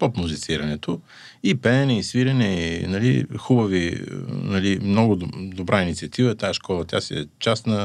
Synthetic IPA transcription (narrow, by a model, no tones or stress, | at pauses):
popmʊzit̪siɾɐnɛt̪o | ipɛɛnɛisviɾɛnɛinɐlixubəvinɐlimnɔɡʊd̪obɾʔainit̪siɐt̪ivət̪aɛʃkɔlˠɐt̪ja̰siɛ̰t͡ʃast̪nɐ